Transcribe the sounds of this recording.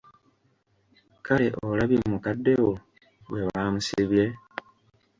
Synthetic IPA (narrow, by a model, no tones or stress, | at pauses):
kaleʔolaβimukadːewo | weβamusiβje̞